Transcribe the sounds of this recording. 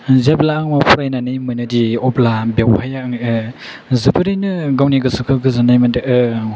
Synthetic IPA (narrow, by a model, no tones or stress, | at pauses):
zeblaːŋmapʰuɾajnanɯjmɯnɯdiɔplabewhajaɯŋɯ | zɯbɯɾɯjnɯɡawniɡɯsɯkʰɯɡɯzanajmandeʔɯ